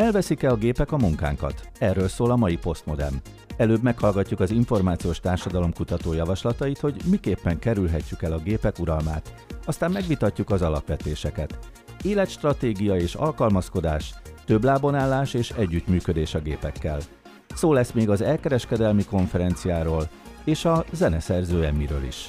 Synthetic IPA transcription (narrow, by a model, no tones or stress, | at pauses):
ɛlvɛsikɛɒɡeːpɛkɒmuŋka̰ːŋkɒ̰t̪ɛrːøːlsoːlɒmɒjipo̞st̪mo̞d̪ɛ̰m | ɛløːbmɛkhɒlɡɒcːukɒziɱfo̞rmaːt̪sijoːʃt̪aːrʃɒd̪ɒlo̞mkut̪ɒt̪oːjɒvɒʃlɒt̪ɒjit̪ho̞ɟmikeːpːɛŋkɛɾylɦɛcːykɛlɒɡeːpɛkuɾɒlma̰ːt̪ɒst̪aːmmɛɡʋit̪ɒcːukɒzɒlɒ̰pʋɛt̪eːʃɛkɛt̪ | eːlɛt̪ʃt̪rɒt̪eːɡijɒeːʃɒ̰lkɒlmɒsko̞d̪aːʃt̪ø̞blaːbo̞naːlːaːʃeːʃɛɟːyt̪myːkød̪eːʃɒɡeːpɛkːɛ̰l | soːlɛsmeːɡɒzɛlkɛɾɛʃkɛd̪ɛlmiko̞ɱfɛɾɛnt̪sijaːɾoːl | eːʃɒzɛnɛsɛrzøːɛmːiɾø̰ːlḭʃ